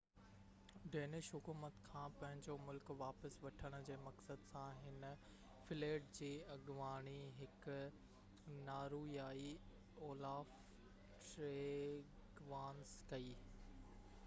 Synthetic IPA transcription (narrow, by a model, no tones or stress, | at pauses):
ɖeːnɪʃɦʊkuːmət̪kʰãːpɐ̃ɦɪ̃ɲd͡ʑomʊlkʋaːpəsʋɐʈʰəɽ̃ʊ̆d͡ʑeːmɐksəd̪sãɦɪnə | fɪleːɖd͡ʑeːɐɠʋaːɽ̃iɦɪk | naːɾuːijaːi | oːlaːf | ʈɾeːɡʋaːnskɐiː